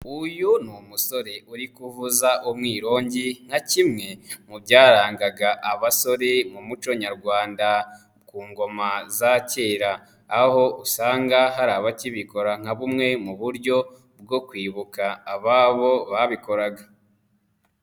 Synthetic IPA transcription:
ujunumuso̞ɾe̞ʔuɾikuvuzaʔomŋiːɾo̞ːɲɟiŋ̥hacimŋe̞mubɟaːɾaːŋɡaɡaʔaβaso̞ɾe̞mumut͡ʃo̞ɲaɾɡwaːnda | kuːŋɡo̞mazace̞ːɾaː | ho̞ʔusaːŋɡaɦaɾaːβaciβiko̞ɾaŋ̥haβumŋe̞muβuɾɟo̞ | b̚ɡo̞kwiːβukaːβaːβo̞βaβiko̞ɾaɡa

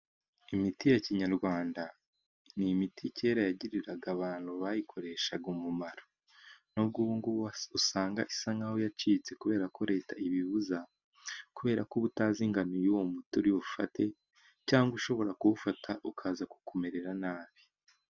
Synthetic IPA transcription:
imitijaciɲaɾɡwaːnda | nimitʰice̞ːɾajaɟiɾiɾaɡaβaːn̥huβajikʰo̞ɾe̞ʃaɡumumaɾo | nob̚ɡuːŋɡuusaːŋɡa̰ʔisaŋɡahojat͡ʃiːt͡se̞kuβe̞ːɾako̞ɾe̞ːtaiβiβuza | kuβe̞ːɾakoβutaːziŋɡanojuwomutuɾiufa̰te̞ | caːŋɡuʃo̞βo̞ɾakuufatʰaʔukʰaːzaku̥kʰo̞me̞ɾe̞ɾanaːβi̥

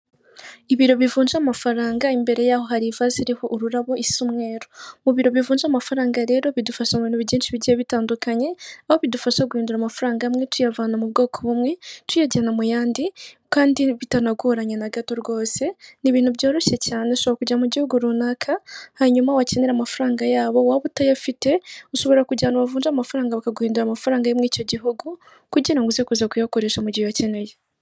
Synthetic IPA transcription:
iβiɾo̞βivuːnd͡ʒamafaɾaːŋɡaimbe̞ɾe̞jaːho̞ɦaɾivaziɾihoʔːɾuɾaβo̞ʔissumŋe̞ːɾomuβiɾo̞βivuːnd͡ʒaːmafaɾaːŋɡaɾe̞ːɾo̞βidufaʃamβiːnuβiɟiːnʃiβiɟieβitaːndukaɲe̞aho̞βidufaʃaɡuiːnduɾaːmafuɾaːŋɡamŋe̞tʰujavaːnamuβ̚ɡo̞ːkʰoβumŋe̞tʰujaɟanamujaːndikaːndiβitanaɡuɾaɲenaɡato̞ɾɡo̞ːse̞niβiːn̥huβɟo̞ːɾo̞ʃe̞caːneoʃoβoɾakuɟamuɟihuɡuɾunakʰahaɲumawacene̞ɾamafuɾaːŋɡajaːβo̞waβutajafite̞uʃo̞βo̞ɾakuɟaːnaβavuːnd͡ʒamafuɾaːŋɡaβakaɡuhiːnduɾaːmafuɾaːŋɡajemwiːco̞ɟiɦuɡu | kuɟiɾaŋɡuzekuzakujakoɾe̞ːʃamuɟiwacene̞je

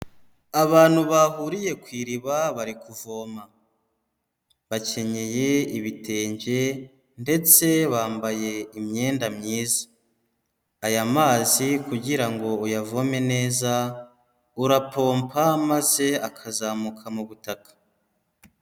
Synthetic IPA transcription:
aβaːn̥huβahuɾije̞kwiːɾiβaβaɾikuvo̞ːma | βace̞ɲe̞je̞iβitʰe̞ːɲɟe̞ | nde̞t͡se̞βaːmbaje̞imɲe̞ːndamɲiːzḁ | jamaːzikuɟiɾaŋɡo̞ujavome̞ne̞ːza | uɾapo̞ːmpʰamaze̞akʰazaːmukʰamuβutakḁ

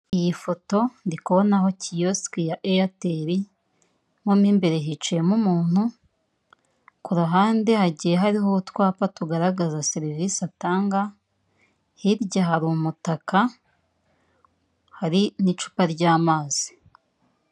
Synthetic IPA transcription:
ijifo̞to̞ndikuβo̞naɦo̞cijoskijaʔejateɾi | ŋomiːmbe̞ɾe̞ɦit͡ʃejemumuːn̥hu | kuɾuɦaːnde̞haɟijeɦaɾihoutwaːpatuɡaɾaɡazaseɾivisataːŋɡa | hiɾɟaɦaɾumutaka | haɾinit͡ʃu̥paɾɟaːmaːzi̥

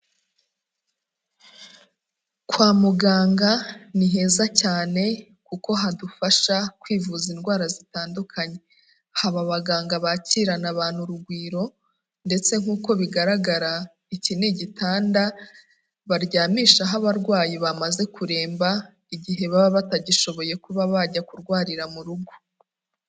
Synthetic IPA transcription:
kwaːmuɡaːŋɡaniɦe̞ːzacaːne̞ | kuko̞ɦadufaʃakwiːvuzinɡwaːɾazitaːndukʰaɲe̞ | haβaβaɡaːŋɡaβaciɾanaβaːn̥huɾuɡwiːɾo̞ | nde̞t͡se̞ŋ̥uːko̞βiɡaɾaɡaɾa | icineɟitaːnda | βaɾɟaːmiːʃaɦaβaɾɡwaːjiβamaze̞kuɾe̞ːmba | iɟiɦe̞βaβaβataɟiʃo̞βo̞je̞kuβaβaɟakuɾɡwaːɾiɾamuɾuɡu

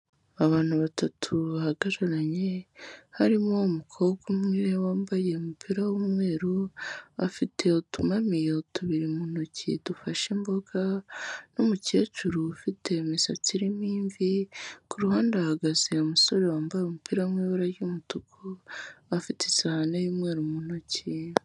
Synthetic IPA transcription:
aβaːn̥huβatʰatʰuβahaɡaɾaɾaɲe̞haɾimomukʰoɡumŋiːɾewaːmbaje̞omupʰiɾawumŋe̞ːɾoafitʰe̞otumamijeotʰuβiɾimunucḭdufaʃembo̞ɡanomuce̞ːt͡ʃuɾufitʰe̞misaciɾimiːɱvikuɾuhaːndahaɡaziemuso̞ɾewaːmbajomupiɾaumwiːβaɾaɾjumutukʰoafite̥sahanajimwe̞ːɾumunoci

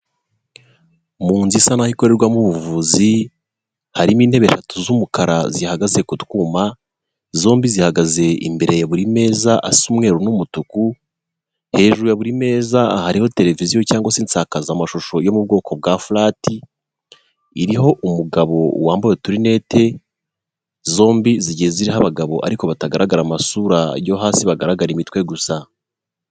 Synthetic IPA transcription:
muːnzisanahiko̞ɾe̞ɾɡwamuβuvuzi | haɾimiːn̥he̞βe̞ʃatuzumukaɾazihaɡaze̞kutkuːma | zo̞ːmbizihaɡaze̞ḭmbe̞ɾe̞jaβuɾime̞ːzaʔasumŋe̞ɾunumutuku | he̞ːʒuɾujaβuɾime̞ːzahaɾiho̞te̞ɾe̞vizijo̞caːŋɡwasiːnt͡sakazamaʃoʃo̞jo̞mub̚ɡo̞ːkʰo̞b̚ɡafulaːtʰi | iɾiɦo̞ʔumuɡaβo̞waːmbojetuɾine̞ːte̞ | zo̞ːmbiziɟieziɾiɦaβaɡaβo̞ʔa̰ɾiko̞βataɡaɾaɡaɾamasuɾajo̞ɦaːsiβaɡaɾaɡaɾimitwe̞ɡusa

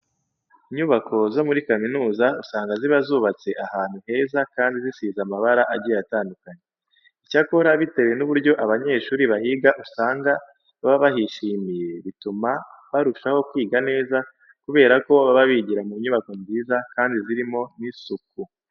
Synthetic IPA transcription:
iɲuβakʰo̞zo̞muɾikaminuːzausaːŋɡaziβazuβat͡se̞ʔahaːn̥huhe̞ːzakaːndizisiːzamaβaɾaʔaɟiataːndukaɲe | icako̞ɾaβite̞we̞nuβuɾɟo̞ʔaβaɲe̞ːʃuːɾiβahiɡaʔusaːŋɡa | aβaβahiʃiːmije̞βitumaβaɾuʃaho̞kwiːɡane̞ːza | kuβe̞ːɾako̞βaβaβiɟiɾamuːɲuβako̞mziːzakaːndiziɾimo̞nisuku

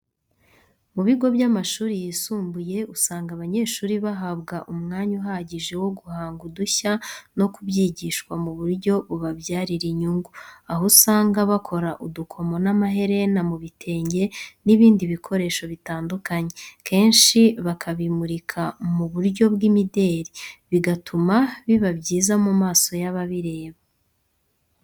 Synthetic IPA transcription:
muβiɡo̞bjamaʃuːɾijisuːmbuje̞usaːŋɡaβaɲe̞ːʃuːɾiβaɦaβɡaʔumŋaːɲuɦaɟiʒe̞wo̞ɡuhaːŋɡuduçano̞kuβjiːɟiʃkwamuβuɾɟo̞βuβaβjaːɾiɾiɲuŋɡuaɦosaːŋɡaβakʰo̞ɾaʔudukʰo̞mo̞namaɦe̞ɾe̞namuβitʰe̞ːɲɟe̞niβiːndiβikʰo̞ɾe̞ːʃo̞βitaːndukaɲe̞kʰe̞ːnʃiβakʰaβimuɾikʰamuβuɾɟo̞bɡimide̞ːɾiβiɡatʰumaβiβabɟiːzamumaːso̞jaβaβiɾe̞ːβa

